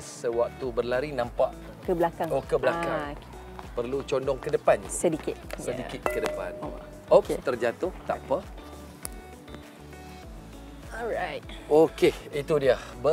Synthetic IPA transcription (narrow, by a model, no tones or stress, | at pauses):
səwak̚t̪ubərlaɾinãmpaʔ | kəblakaŋokəblaka | pərlut͡ʃɔndɔŋkədəpanisədikɪt̪̚sədikɪt̪̚kədəpa̰n | okt̪ərd͡ʒat̪ʊht̪a̰pə | ɔɹajt̚okeit̪udiəbə